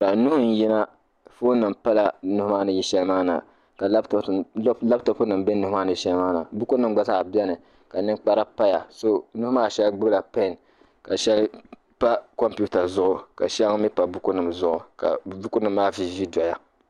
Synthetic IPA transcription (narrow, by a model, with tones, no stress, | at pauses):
ka˨nu˦hʊ˦n˨ji˦na˦ | fo˦nɨ˨m̩˨pa˦la˨nu˦hʊ˦ma˦nɨ˨ji˦ʃɛ˦lmaː˦na̰˨ | ka˨lla˦bto˨pu˦nɨ˨m˨bɛ˦nu˨˦hʊ˦maː˦nɨ˨ji˨ʃɛ˦lmaː˦na̰˨bu˦ku˦nɨ˨m˦ɡ͡ba˨sa˦ʔbɛ˦nɨ˨ | ka˨nɨ˦ŋk͡pa˦ɾa˦pa˦ja˨so˦nu˦hʊ˦maː˦ʃɛ˦lɡ͡bɨ˦bɨ˦la˨pa˦˨n | ka˨ʃɛ˦l | pa˦ko˦mpu˦ta˨zʊ˦ʔʊ˨ka̰˨ʃɛ˦lŋ˦mi˦pa˨bu˦ku˦nɨ˨mzʊ˦ʔʊ˨ka̰˨bu˦ku˦nɨ˨mːaː˦vi˨vi˦dɔ˨ja˨